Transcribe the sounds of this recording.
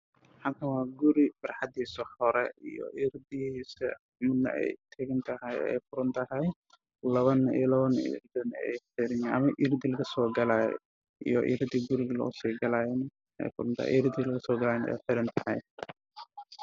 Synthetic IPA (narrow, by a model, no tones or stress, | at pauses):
ħat̪ʰɐwaːɡʊɾɪb̥ɐrħad̪iːsɐhɔɾɛḭjɔ̰ʔɪɾd̪ɪisɛ̰ | mʊd̪nɐ̰ʔɛ̰jt̪ʰɐɣɪnt̪ʰɐɦɐjɛ̰jfʊɾʊnt̪ʰɐɦɐj | lɐβɐnḭlɐβɐnḭɾd̪ɪnɛ̰jħɪɾɪnɐmɐʔɪɾd̪ɪlɐɡɐsɔːɡɐlaːj̰ | ḭjɔʔɪ̰ɾd̪ɪɡʊɾɪɣɐlɐ̰ʊ̰siɡɐlaːjɛn | ɛ̰jfʊɾʊnt̪ʰɐ̰hɛ̰ʔɪɾd̪ilɐɣɐsɔːɡɐlaːjɛnɛ̰jħɪɾɪnt̪ʰɐ̥hɐ̰j